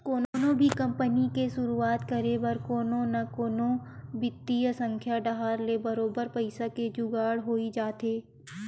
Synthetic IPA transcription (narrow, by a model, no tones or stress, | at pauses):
koːnːnõbʱikɐ̃mpənikeʃʊɾuaːt̪kəɾebɐɾkoːnõnakoːnobɪt̪ːijəsə̃ŋkʰjaɖɐɦaːɾlebɐɾoːbəɾpəɪsaked͡ʒʊɡaːɽɦoːid͡ʒaːt̪eː